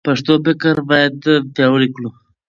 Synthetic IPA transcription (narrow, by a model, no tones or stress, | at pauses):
paʂt̪obɪkəɾbɑjad̪pjɑwəliklu